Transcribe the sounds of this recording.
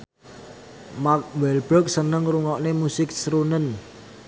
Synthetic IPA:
mak̚wɛlbɾɔk̚sənəŋruŋɔʔnemusɪk̚sɾunən

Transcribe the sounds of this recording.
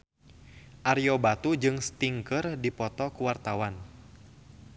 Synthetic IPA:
ʔaɾijɔbat̪ud͡ʒɨŋst̪iŋkərdipɔt̪ɔkuwart̪awan

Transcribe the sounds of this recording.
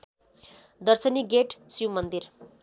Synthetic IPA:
d̪ʌrsʌniɡeʈsuwmʌnd̪ir

